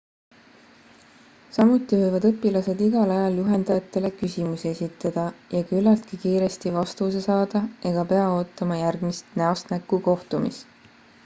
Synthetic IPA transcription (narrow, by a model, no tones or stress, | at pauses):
sɑmut̪ːˑivɤ̞jvɑd̪ɤpːˑilɑse̞d̪̥iɡ̥ɑlɑjɑljuɦe̞nd̪̥ɑjɑt̪ːˑe̞le̞kysimuseesʲit̪ˑːɑd̪̥ɑjɑkylːɑlt̪̚kikiːɾe̞st̪ivɑst̪use̞sɑːd̪̥ɑe̞ɡ̥ɑpe̞ɑo̞ːt̪ːˑɑmɑjærɡ̥mist̪næost̪nækˑːuko̞ht̪umḭs